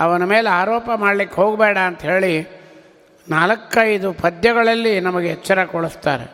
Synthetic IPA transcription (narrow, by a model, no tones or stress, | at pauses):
ɐʋɐnɐmeːleaːɾɔːpɐmaːɽɐlikːeɦo̞ːɡbɛːɽaːnt̪ɐɦe̞ːɭi | naːlɐkːɐjd̪upʰɐd̪jɐɡɐɭɐlːinɐmɐɡeɦɛt͡ʃːɐɾɐkɔɭust̪aːɾḛ